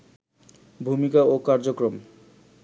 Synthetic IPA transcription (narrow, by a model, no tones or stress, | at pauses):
bʱumikaokaɾd͡ʑokɾom